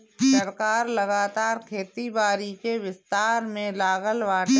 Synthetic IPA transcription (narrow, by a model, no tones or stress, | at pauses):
sɐɾkaːɾləɡaːt̪aːɾkʰeːt̪ibaːɾikeʋɪst̪aːɾmẽlaːɣəlʋaːʈ